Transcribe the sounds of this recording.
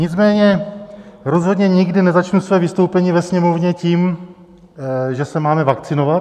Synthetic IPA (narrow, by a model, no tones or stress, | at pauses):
ɲɪt͡smɛːɲɛ | ɾo̞zɦod̪ɲɛɲɪɡdɪnɛzat͡ʃnusvɛːvɪst̪owpɛɲiːvɛsɲɛmo̞vɲɛciːm | ʒɛsɛmaːmɛvakt͡sɪno̞vat̪